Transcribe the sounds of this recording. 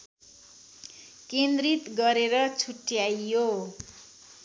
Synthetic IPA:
kend̪rit̪ɡʌɾeɾʌt͡sʰuʈjajo

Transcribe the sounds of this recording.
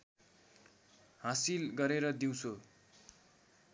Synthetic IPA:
hãsilɡʌɾeɾʌd̪iw̃t͡sʰo

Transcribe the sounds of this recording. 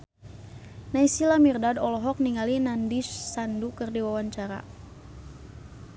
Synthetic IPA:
naisilamirdadɔlɔɦɔk̚niŋalinandisːandukɨrdiwawaɲt͡ʃaɾa̰

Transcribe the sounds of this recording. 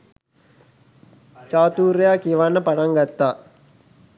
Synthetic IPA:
t͡ʃaːt̪uːɾɐjaːkiʋanːəpɐʈɐŋɡɐt̪ːaː

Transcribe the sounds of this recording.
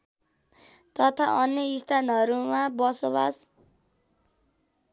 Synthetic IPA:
t̪ʌt̪ʰa̰ʔʌnːeist̪ʰanɦʌɾumãbʌsoβa̰s

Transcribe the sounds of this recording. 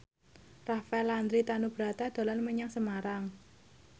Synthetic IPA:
rafɛland̪ɾit̪anub̥ɾat̪ad̪̥a̤lanməɲaŋsəmaɾaŋ

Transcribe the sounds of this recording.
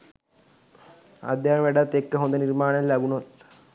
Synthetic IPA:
a̰d̪jaːnʋæɖat̪ːekːəɦond̪ənirmaːnəllæbunot̪̚

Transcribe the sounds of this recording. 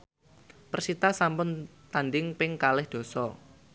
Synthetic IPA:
pərsit̪asampʊnt̪anɖɪŋpɪŋkalɪhd̪̥o̤sɔ

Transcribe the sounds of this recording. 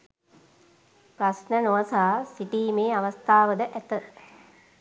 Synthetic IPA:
prɐsnənoʋəsaːsiʈiːmeːaʋɐst̪aːʋəd̪əʔæt̪ə

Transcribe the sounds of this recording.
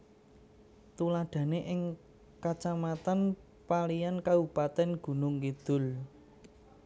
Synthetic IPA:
t̪ulaɖ̪̥ä̤neʔɪŋ | kat͡ʃamat̪an | palijankaupat̪ɛnɡ̥ṳnʊŋkid̪̥ʊ̤l

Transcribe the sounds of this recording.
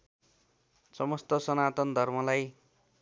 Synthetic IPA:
sʌmʌst̪ʌsʌnat̪ʌnd̪ʱʌrmʌlaj

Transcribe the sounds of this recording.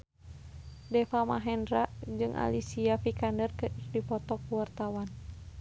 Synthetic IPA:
dɛfama̰ɦɛndɾaʔd͡ʒɨŋʔa̰lisiafikandərkɨdipɔt̪ɔk̚uwart̪awan

